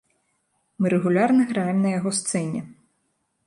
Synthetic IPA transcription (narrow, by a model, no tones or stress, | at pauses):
mɨɾɛɣulʲarnɨɣɾajɛmʲnɐjaɣɔst̪sɛnʲɛ